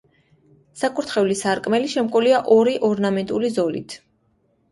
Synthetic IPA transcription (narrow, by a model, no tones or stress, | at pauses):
sakʼuɾt̪ʰχɛulisaɾkʼmɛliʃɛmkʼɔliaʔɔɾiʔɔɾnamɛnt̪ʼulizɔlḭt̪ʰ